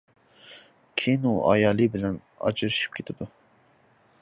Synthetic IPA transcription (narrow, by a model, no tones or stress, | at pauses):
kʲʰijinuʔɑ̰jɑːlˠɨbɪlɛn | ɑ̰t͡ʃʰɨɾɨʃi̥p̚kʰʲet̪ʰɪd̪u